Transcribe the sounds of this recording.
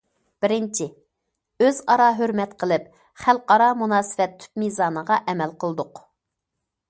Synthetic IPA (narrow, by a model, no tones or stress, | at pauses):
b̥ɪɾɪnt͡ʃʰɪ | øzɑɾɑɦøɾmɛt̪qʰəlˠɪp̚ | χælˠqɑɾɑmunɑːsɨ̥vɛt̪ʰy̥p̪mizɑːnəʁɑʔɛmɛlqəlˠd̪ʊq